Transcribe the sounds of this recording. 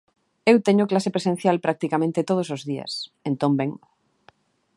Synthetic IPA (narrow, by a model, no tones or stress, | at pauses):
ewt̪eɲʊklasepɾesẽn̟θjalpɾak̚t̪ikamẽnt̪et̪oð̞osozðia̰sent̪õmbeŋ